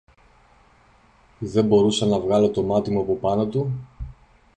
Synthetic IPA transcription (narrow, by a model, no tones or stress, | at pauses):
ðe̞bo̞ɾusɐnɐvɣɐlo̞t̪o̞mɐt̪imuɐpo̞pɐno̞t̪u